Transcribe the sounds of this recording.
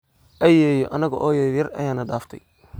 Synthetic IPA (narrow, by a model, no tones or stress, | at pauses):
ʔɐjɛːjɔʔɐnɐɣɐ̰ʔɔːjɐðɐrʔɐ̰jaːnɐɖaːft̪ʰɐ̰j